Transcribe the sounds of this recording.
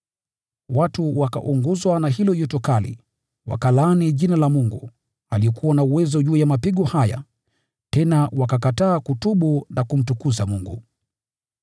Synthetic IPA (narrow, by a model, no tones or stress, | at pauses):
watuwaka̰ʔuŋɡuzwanaɦilɔjɔtɔkalḭ | wa̰kalaːniʄinalamuŋɡu | aliɛkʰuwanauwɛzɔʄuːjamapiɠɔhaja̰ | tɛnawakakataːkutuɓunakum̩tukuzamuŋɡṵ